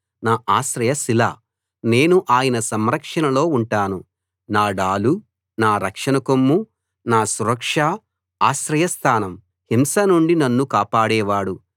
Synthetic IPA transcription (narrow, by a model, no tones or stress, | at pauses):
naːʔaːʃɾɐjɐsila̰ː | ne̞ːnuʔaːjɐnɐsɐmɾɐkʂɐnɐlo̞ːuɳʈaːnu | naːɖaːlu | naːɾɐkʂɐnɐkomːu | naːsuɾɐkʂa | aːʃɾɐjɐst̪ʰaːnɐm | himsɐnuɳɖinɐnːukaːpaːɽɛːʋaːɽu